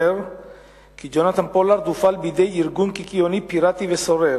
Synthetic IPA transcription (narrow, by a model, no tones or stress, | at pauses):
eɾ | kid͡ʒonat̪anpolaɾd̪ufalbid̪ejiɾɡunkikionipiɾat̪ivesoɾe